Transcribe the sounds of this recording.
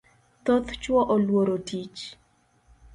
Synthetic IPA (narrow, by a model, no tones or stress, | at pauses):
t̪ot̪t͡ʃwɔʔolwoɾotit͡ʃ